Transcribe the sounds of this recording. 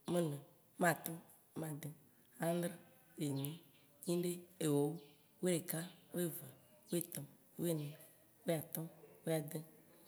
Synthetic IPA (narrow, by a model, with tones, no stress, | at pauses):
mẽ˦nẽ˨ | mã˨t̪ɔ˦ | m˦ã˨d̪e˦ | a˦d̪ɾi˦˨ | e˨nĩ˨˦ | ɲĩ˦ɖe˦e˨wo˨˦w | we˦e˨ka˦wo˦e˦va˨wo˦e˦t̪ɔ˨m | wo˦e˦nẽ˨ | wo˦a˨t̪ɔ˦wo˦a˨d̪e˦